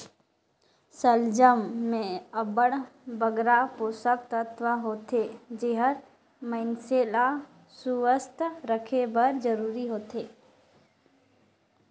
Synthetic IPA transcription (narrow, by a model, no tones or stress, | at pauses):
səld͡ʒəmːẽəbəɽ̃bəɡɾapoːsək̚t̪ət̪ʋəɦoːt̪ʰeːd͡ʒeɦəɾ | mə̃ɪnsela | suʋəst̪ʰɾəkʰebəɾd͡ʒəɾuːɾiɦoːt̪eː